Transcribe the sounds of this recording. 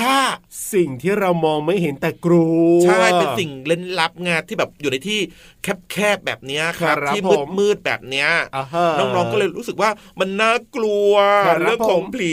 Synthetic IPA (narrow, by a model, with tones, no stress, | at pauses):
t̪ʰaː˥˩si˨˩ŋt̪ʰiː˥˩ɾa˧wmɔː˧ŋma˥˩jɦe˩˦nt̪ɛː˨˩kɾu˧t͡ɕʰa˥˩jpe˧si˨˩ŋle˥˩nla˦˥p̚ŋaː˧nt̪ʰiː˥˩bɛː˨˩p̚juː˨˩na˧jt̪ʰiː˥˩ | kʰɛ˦˥p̚kʰɛː˥˩p̚bɛ̰ː˨˩p̚ni˦˥ɐkʰa˦˥˦iː˥˩ɯː˥˩˦mɯː˥˩t̪̚bɛ̰ː˨˩p̚ni˦˥ɐ˧nɔː˥˩ŋɾɔː˧ŋɔː˥˩lɤː˧jɾuː˦˥sɯ˨˩k̚waː˥˩ | ma˧nːaː˥˩klu˧ɐɾɯ˥˩kʰɔː˨˩˦pʰliː˨˦